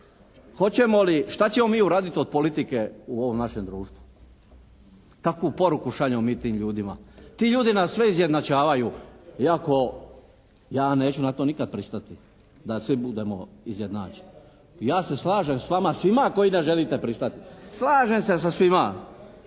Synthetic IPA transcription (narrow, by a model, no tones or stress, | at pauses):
xo̞t͡ɕe̞mo̞liʃt̪at͡ɕe̞mo̞miːuɾaːd̪it̪io̞d̪̚polit̪ike̞uoʋo̞mnaʃe̞md̪ɾuːʃt̪ʋu̥ | k̪akʋupo̞ɾukuʃaʎemomiːt̪iːmʎuːd̪imat̪iːʎuːd̪inasːʋe̞izje̞d̪nat͡ʃaːʋajuiako̞ | jaːne̞ːt͡ɕunat̪o̞nikad̪̚pɾist̪at̪i | d̪asʋibud̪e̞moizjed̪na̰ːt͡ʃe̥n | jaːse̞slˠaːʒe̞msʋamasʋimako̞jineʒelit̪e̞pɾist̪at̪islˠaːʒe̞mses̬asʋima